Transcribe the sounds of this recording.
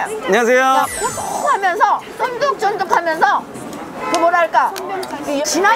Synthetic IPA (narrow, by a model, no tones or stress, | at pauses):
aɲas̬ʰejokot͈ohamjʌnsʰʌsʰʌnɡok̚t͡ɕ͈ʌnd͡ʑʌkʰamjʌnsʰʌ | kɯmoɾaɭk͈a | t͡ɕina